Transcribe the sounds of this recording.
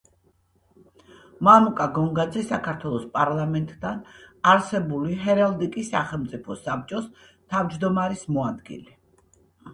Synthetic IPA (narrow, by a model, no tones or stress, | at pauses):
mamukʼaɡɔŋɡad̪zɛsakʰaɾt̪ʰwɛlˠɔspʼaɾlˠamɛnt̪ʼd̪anaɾsɛbuliɦɛɾalˠd̪ikʼisːaχɛlˠmt̪sʼipʰɔsap̚t͡ʃʼɔst̪ʰavd͡ʒd̪ɔmaɾismɔad̪ɡḭlɛ